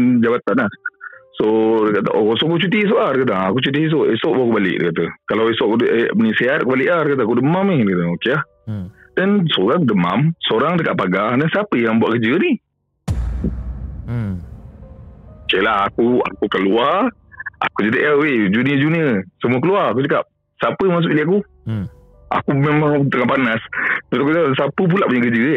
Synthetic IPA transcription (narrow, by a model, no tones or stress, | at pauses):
d͡ʒabat̪anahsodəkat̪ə̰ʔosɔʔakut͡ʃut̪iis̬oʔahdəkat̪̬aakut͡ʃut̪̬iis̬oʔesɔʔbakubalɪ̰ʔdə̰kat̪əkalawesɔʔkudʔemənisiat̪̚kubalɪʔlahdəkat̪əakudəmamihdəkat̪əokelah | dənsoɾaŋdəmamsoɾaŋdəkaʔ̚paɡadansiapəjaŋbwa̰ʔkəd͡ʒəni | okelaɦakua̰kukəluar | a̰kud͡ʒad̪əʔawed͡ʒuniəd͡ʒuniəsəmuəkəluarak̬ut͡ʃəkap̚ | sapəjaŋmas̬ʊʔliaku | a̰kumemaŋt̪əŋahpanasbt̪akuansapəp̬ulaʔpuɲəkəd͡ʒə